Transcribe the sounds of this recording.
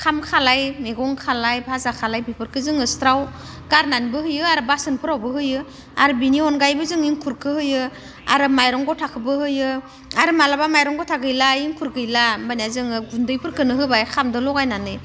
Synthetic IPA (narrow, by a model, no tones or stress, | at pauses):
kʰamkʰalajmeɡɔŋkʰalajbʱazakʰalajbipʰɯɾkʰɯzɯŋɯstɾaw | ɡ̥aɾnanbɯhɯjɯaɾɯbasɯnpʰɯɾawbɯɦɯjɯ | a̰ɾɯbiniɔnɡajbɯzɯŋiŋkʰuɾkʰɯhɯjɯ | a̰ɾɯmajɾɔŋɡɔtʰakʰɯbɯhɯjɯ | aɾɯmalabamajɾɔŋɡɔtʰaɡɯjlaiŋkʰuɾkɯjlamaniazɯŋɯɡundɯjpʰɯɾkʰɯnɯɦɯbajkʰamdɯlɔkajnanɯ